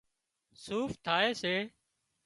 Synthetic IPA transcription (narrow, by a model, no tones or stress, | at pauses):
suːft̪ʰaːeːseː